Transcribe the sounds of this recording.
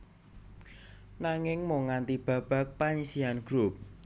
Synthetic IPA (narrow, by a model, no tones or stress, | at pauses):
naŋɪŋmoŋant̪ib̥ä̤b̥ä̤k̚paɲisianɡ̥ɾup̚